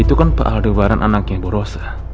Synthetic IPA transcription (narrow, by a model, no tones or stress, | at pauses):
it̪ukanpa̰ʔaldubaɾanʔanakjaŋbɔɾosḁ